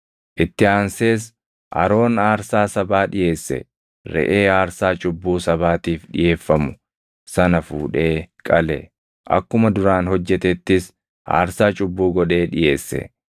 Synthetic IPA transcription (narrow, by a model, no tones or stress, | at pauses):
ʔɪt̪ːɪaːnse̞ːs | ʔɐ̰ɾo̞ːnaːɾsaːsɐbaːᶑɪje̞ːsːɛ̰ | ɾɛ̰ʔeːaːɾsaːt͡ʃʼʊbːuːsɐβaːt̪iːfᶑɪje̞ːfːɐmʊ | sɐnɐfuːᶑe̞ːkʼɐlɛ̰ | ʔɐ̰kːʊmɐd̪ʊɾaːnhɔd͡ʒːɛt̪ɛt̪ːɪs | a̰ːɾsaːt͡ʃʼʊbːuːɡɔᶑe̞ːᶑɪje̞ːsːɛ̰